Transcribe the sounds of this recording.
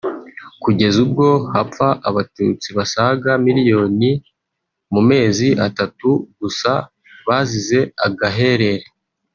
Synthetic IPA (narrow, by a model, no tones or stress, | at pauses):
kuɟe̞zub̚ɡo̞hafaʔaβatut͡siβasaɡamiɾijo̞ːni | mume̞ːziʔatatuɡ̥usa | βazize̞aɡaɦe̞ɾe̞ɾe